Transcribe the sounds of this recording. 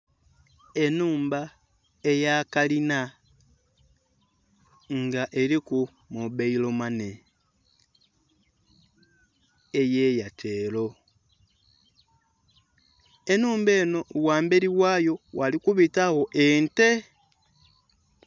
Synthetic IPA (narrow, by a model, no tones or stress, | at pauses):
e̞nuːmba | ejaːkalina | ŋɡaʔeɾiku | muβeilomane | ejejatʰeːlo̞ | enuːmbe̞ːno̞waːmbe̞ɾiwaːjo̞walikuβitawo̞ʔente